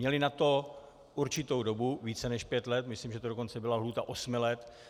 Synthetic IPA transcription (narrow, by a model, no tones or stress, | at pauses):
ɲɛlɪnat̪o̞ | ʔuɾt͡ʃɪt̪o̞wdo̞buviːt͡sɛnɛʃpjɛt̪lɛt̪mɪslimʒɛt̪odoko̞nt͡sɛbɪlaɦluːt̪aʔosmɪlɛt̪